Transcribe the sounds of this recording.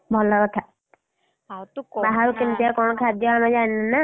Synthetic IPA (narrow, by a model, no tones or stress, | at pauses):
bʱɔlɔkɔt̪ʰa | baɦaɾukint̪ijakɔnɔkʰad̪jɔamad͡ʒannana